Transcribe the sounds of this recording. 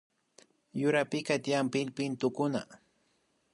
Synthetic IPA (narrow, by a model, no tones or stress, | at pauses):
jʊɾapɪkat̪jampɪlpɪnt̪ʊkʊna̰